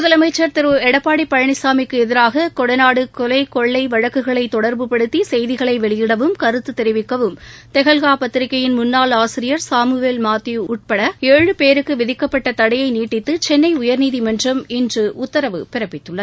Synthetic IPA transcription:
mʊðɐlɐmɐɪt͡ʃːɐɾt̪ɪɾɯɛɽɐpːaːɽipːɐɻɐɳɪsaːmɪkːɯɛðɪɾaːɣɐkɔɽɐnaːɽɯkɔlɐɪkɔɭːɐɪʋɐɻɐkːɯɣɐɭɐɪt̪ːɔɽɐɾbɯpɐɽɯt̪ːisɛjðɪɣɐɭɐɪʋɛɭɪjɪɽɐʋɯmkɐɾɯt̪ːɯt̪ːɛɾɪʋɪkːɐʋɯmt̪ɛɣɐlɣaːpɐt̪ːɪɾɪkːɐjɪnmʊnːaːlaːsɪɾɪjɐɾsaːmɯʋeːlmaːt̪ːiʊʈ̚pɐɽɐeːɻɯpeːɾɯkːɯʋɪðɪkːɐpːɐʈːɐt̪ɐɽɐjɐɪniːʈːɪt̪ːɯt͡ʃɛnːɐɪʊjɐɾniːðimɐndrɐmɪndrɯʊt̪ːɐɾɐʋɯpɪɾɐpːɪt̪ːɯɭːɐðɯ

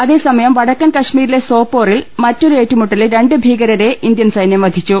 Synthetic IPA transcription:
ɐðe̞ːsɐmɐjɐmʋɐɽɐkːɐnkɐʂmiːɾile̞so̞ːpːo̞ːrilmɐtːo̞ɾueːtːumuʈːɐlɾe̞ɳɖɨbʱiːɣɐɾɐɾe̞ʔind̪jɐnsɐjnjɐmʋɐd̪ʱit͡ɕːu

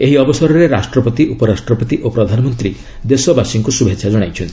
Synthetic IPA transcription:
eɦiɔbɔsɔɾɔɾeɾasʈɾɔpɔt̪iʔupɔɾasʈɾɔpɔt̪iʔopɾɔd̪ʱanɔmɔnt̪ɾi | d̪esɔbasiŋkusubʱetːt͡ʃʰʃʰad͡ʒɔɽ̃ajt͡ʃʰɔnt̪ʰii

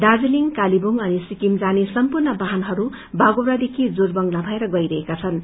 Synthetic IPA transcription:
d̪ad͡ziliŋkalibuŋʌnisikimd͡zanisʌmpurnʌbaɦanɦʌɾu | baɡowɾad̪ekʰid͡zorbʌŋɡlabʱʌeɾʌɡʌjɾʌɦekat͡sʰʌn

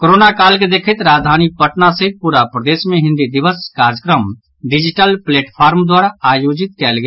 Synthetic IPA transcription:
koɾoːnakaːlked̪eːkʰɪt̪ɾaːd͡ʒd̪ʱaːnipəʈnasepuːɾapɾəd̪eːsmẽɦɪ̃nd̪id̪ɪʋəskaːɾəkɾəm | ɖɪd͡ʒɪʈəlpleːʈpʰaːɾmd̪waːɾaaːjoːd͡ʒɪt̪̚kɛːlɡe

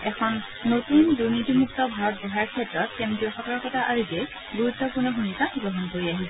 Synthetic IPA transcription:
ɛkʰɔnː | otuinduɹnitimuktɔbʱaɹɔt̚bɔɦajaɹkʰɛtɹɔt̚kɛmtiɔxakaɹkɔtaʔaɹizɛj | ɡuɹutːɔpʊnɔɦunikaɡɹɔɦɔnkoɹiaɦisɛ

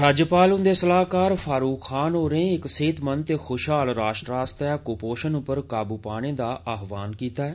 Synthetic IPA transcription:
ɾaːd͡ʒəpaːlʊ̃nd̪eːsəlaːkaːɾpʰaːɾuːkʰxaːnɦoːɾẽɪkseːt̪mənt̪eːxʰoːʃɦaːlɾaːʃʈɾaːst̪ɛːkʊpoːʃənʊpːəɾkaːbuːpaːɽ̃ẽːd̪aːʔaːɦʋaːnkiːt̪aːɛː

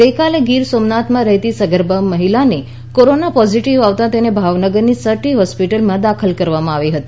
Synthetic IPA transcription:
əjkaleɡiɾsomnat̪mãɾəɦit̪isəɡəɾbəmːəɦilane | koɾonapɔziʈiʋaʋt̪ãt̪enebʱaʋnəɡəɾnisəʈiɦɔspiʈəlmãd̪akʰəlkəɾʋamãaʋiɦət̪i

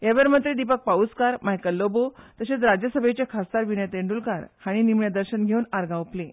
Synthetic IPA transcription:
jaʋəɾmənt̪ɾid̪ipək̚paut͡skaɾmaɦjkəlːobot̪əɕet͡sɾad͡ʑjəsəbʱet͡ɕakʰast̪aɾʋinəjt̪eɳɖulkaɾhaɽ̃inimɳjad̪əɾɕənɡʱewunaɾɡʱãuplẽ

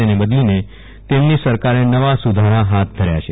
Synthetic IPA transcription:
enebəd̪line | t̪emnisəɾkaɾenəʋasud̪ʱaɾaɦat̪̚d̪ʱəɾja̰t͡ʃʰe

